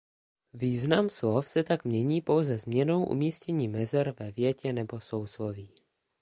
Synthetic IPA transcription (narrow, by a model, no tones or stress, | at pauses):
viːznamslofsɛt̪akmɲɛɲiːpo̞wzɛzmɲɛno̞wʔṵmiːscɛɲiːmɛzɛɾvɛvjɛcɛnɛbo̞sowsloviː